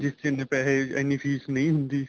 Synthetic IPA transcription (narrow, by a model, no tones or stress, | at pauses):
d͡ʒɪskinepɛːleɛ̰ːnifʰiːsnɐɦĩɦʊ̃nd̪iː